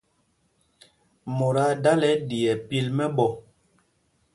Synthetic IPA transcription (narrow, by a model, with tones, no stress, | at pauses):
mo˨ɾa˨˦da˦lɛ˨˦di˨ɛ˨pi˦lmɛ˦ɓɔ˦˨